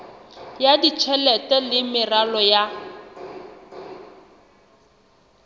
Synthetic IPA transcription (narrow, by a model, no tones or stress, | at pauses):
jadit͡ʃʰɛlɛtɛlɪmɪralɔja